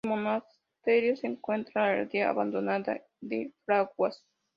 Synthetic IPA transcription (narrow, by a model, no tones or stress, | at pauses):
monas | t̪eɾjoseŋkwent̪ɾanḛɾd̪eaa̰βand̪onad̪a̰ | d̪efɾaɡwas